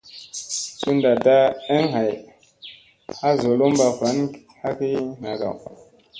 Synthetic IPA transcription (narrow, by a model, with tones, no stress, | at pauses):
su˦nda˨da˦e˦ŋɦa˨j | a˦zo˨lo˦mba˨va˨˦n | ha˦ki˦na̰˨ka̰˨w